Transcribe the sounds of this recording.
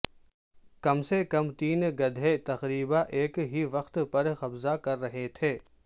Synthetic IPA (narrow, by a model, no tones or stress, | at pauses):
kɐmsekɐmt̪iːnɡɐd̪ʱet̪ɐqɾiːbaʔeːkɦiʋɐxt̪pɐɾxɐbzakɐɾːɐɦet̪ʰeː